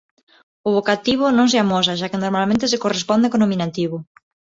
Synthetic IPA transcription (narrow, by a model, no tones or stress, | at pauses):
ʊβ̞okat̪iβ̞ʊnõŋs̬eamos̬aʃ̬akɪnoɾmalmẽnt̪ɪsɪkorespɔnd̪ekonomĩnat̪iβʊ